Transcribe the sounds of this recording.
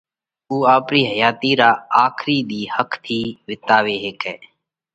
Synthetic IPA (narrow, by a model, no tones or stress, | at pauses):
uːaːpɾiːɦəjaːt̪iːɾaːaːkʰɾiːd̪iːhəkʰt̪ʰiːʋɪt̪aːʋeːɦeːkɛː